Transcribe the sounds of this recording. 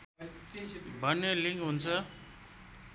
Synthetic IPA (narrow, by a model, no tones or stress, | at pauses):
bʱʌnːeliŋɡɦunt͡sʰʌ